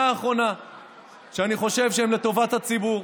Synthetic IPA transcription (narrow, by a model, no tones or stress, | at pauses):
aːχʁo̞na | ʃeaniχo̞ʃe̞vʃeemle̞t̪o̞vat̪hat͡sibuʁ